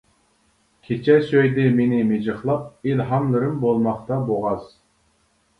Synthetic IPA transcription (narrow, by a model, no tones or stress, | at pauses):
kʲʰet͡ʃʰɛsøjd̪ɪmenɪmed͡ʒɨχlˠɑp̚ilɦɑmlɪɾɪmbolˠmɑχt̪ɑboʁɑz̥